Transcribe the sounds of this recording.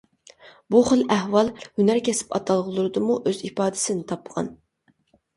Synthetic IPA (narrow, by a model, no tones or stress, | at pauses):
buχəlˠæhwɑlˠhynæɾkʲʰɛsɪ̥pɑ̰t̪ʰɑlˠʁlˠʊɾɨd̪ɨmuʔøzipɑːd̪ɪsɪnɪt̪ʰɑpʁɑ̰n